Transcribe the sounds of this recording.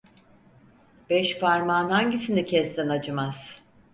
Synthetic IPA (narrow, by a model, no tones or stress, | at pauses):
b̥ɛʃpʰaɾmanhaɲɟisinicʰɛsd̪inad͡ʒɯmaz̥